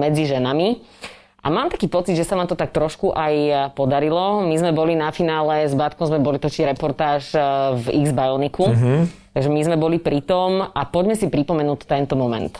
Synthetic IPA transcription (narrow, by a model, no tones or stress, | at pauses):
mɛd͡ziʒɛnami | ʔa̰maːmt̪ḁkiːpɔt͡sid̪ʒɛsanaːmt̪ɔt̪ak̚t̪ɾɔʃkuʔajpɔd̪aɾilɔmizmɛbɔlinafinaːlɛzbaːt̪kɔʊzmɛbɔlit̪ɔt͡ʃizɾɛpɔɾt̪aːʃvḭɡzbajɔlnikut̪aɡʒɛmizmɛbɔlipɾit̪ɔmapɔɟmɛsipɾipɔmɛnuːct̪ɛnt̪ɔmɔmɛ̰nt̪